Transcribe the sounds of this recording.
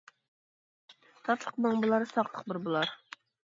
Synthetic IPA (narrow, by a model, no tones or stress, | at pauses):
t̪ʰɑt̪lˠəqmɑŋblˠɑɾsɑqlˠəqbɪɾbulˠɑɾ